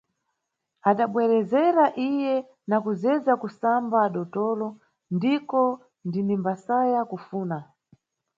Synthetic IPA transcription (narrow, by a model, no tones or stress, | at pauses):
aɗaɓwɛɾɛzɛɾaʔijɛ | nakuzɛzakusambaːɗɔtɔlɔ | ndikɔ | ndinimbasajakufuːna